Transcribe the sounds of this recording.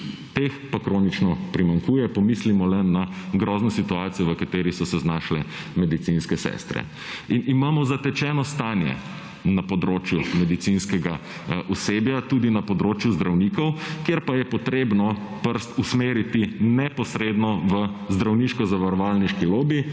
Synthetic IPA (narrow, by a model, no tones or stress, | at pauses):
t̪expakɾoːnit͡ʃnɔpɾimaŋkuːjɛpɔmiːslimɔlɛnaɡɾɔːznɔsit̪uaːt̪sijɔʋəkat̪eːɾisɔsɛznaʃlɛ | mɛd̪it̪sinskɛsɛ̰st̪ɾɛ̰ | inimaːmɔzat̪ɛt͡ʃɛnɔst̪aːnjɛ̰ | napɔd̪ɾoːt͡ʃjumɛd̪it̪sinskɛɡa | ʔuseːbjat̪uːd̪inapɔd̪ɾoːt͡ʃjuzd̪ɾawnikɔwkjeɾpajɛpɔt̪ɾeːbnɔpəɾst̪usmeːɾit̪inɛpɔsɾed̪nɔʋəzd̪ɾawniʃkɔzaʋaɾɔʋalniʃkiloːbi